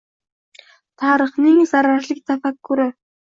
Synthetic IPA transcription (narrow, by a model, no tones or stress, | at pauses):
t̪ʰaːɾə̆χnisaɾaːrɮĭk̚t͡s̪ʰafakɡuɾe